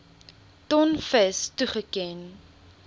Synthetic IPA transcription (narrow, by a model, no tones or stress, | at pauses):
tɔnfəstuχəkɛn